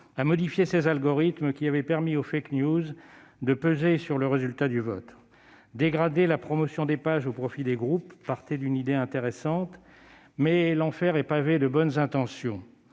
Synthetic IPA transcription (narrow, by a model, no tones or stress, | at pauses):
amɔd̪ifjesezalɡɔʁit̪mkʲiavɛpɛʁmiofaknjuz | d̪əpøzesyʁləʁezylt̪ad̪yvɔ̰t̪ | d̪eɡʁad̪elapχɔmɔsjɔ̃d̪epaʒopχɔfid̪eɡʁupːaʁt̪ed̪ynid̪eɛ̃t̪eʁesɑ̃t̪ | mɛlɑ̃fɛʁɛpaved̪əbɔnzɛ̃t̪ɑ̃sjɔ̃